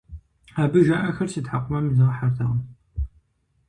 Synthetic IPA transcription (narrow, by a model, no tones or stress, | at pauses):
aːbɨʒaʔɐxɐrsidħaqʷʊmɐmzɐʁɐħartʰaʁɐm